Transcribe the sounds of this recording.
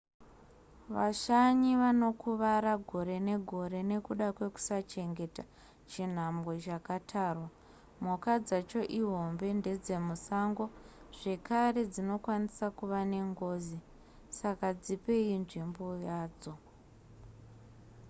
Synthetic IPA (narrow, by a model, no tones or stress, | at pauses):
ʋa̰ʃaɲiʋano̞kuʋaɾaɡʱo̞ɾe̞ne̞ɡʱo̞ɾe̞ne̞kuɗakwe̞ku̥sat͡ʃe̞ŋɡe̞ta | t͡ʃin̤amɡot͡ʃakatʰaːrwa | mukad͡zat͡ʃo̞ʔiɦo̞mbe̞nde̞d͡ze̞musaŋɡo̞ʐ̥e̞kaɾe̞d͡zino̞kwanisakuʋane̞ŋɡo̞zi | sakad͡zipe̞inʐimbojaːd͡zo̞